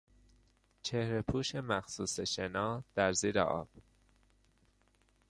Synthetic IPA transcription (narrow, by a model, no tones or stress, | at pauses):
t͡ʃʰehɾepʰuːʃemæxsuːseʃenɒːd̪̥æɾziːɾḛʔɒ̰ːb̥